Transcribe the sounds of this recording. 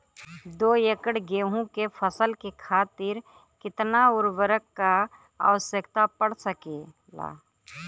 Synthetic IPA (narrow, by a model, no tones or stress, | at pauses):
d̪oːjekəɽɡeːɦũkepʰəsəlkekʰaːt̪ɪɾ | kɪt̪naʊɾʋəɾəkːa | a̰ʋəsjəkt̪apəɽsəke | la̰ː